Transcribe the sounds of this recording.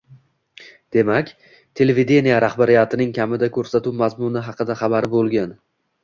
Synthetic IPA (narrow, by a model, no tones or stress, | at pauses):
d̪̥e̞makʲ | t̪ʰe̞levid̪e̞nijaɾahbaɾɪjat̪ɪnɪŋkʲʰamɪd̪akʲʰɵɾsat̪uwmazmʊnɪɦɑqɨd̪aχɑbaɾɪbolˠɡʲan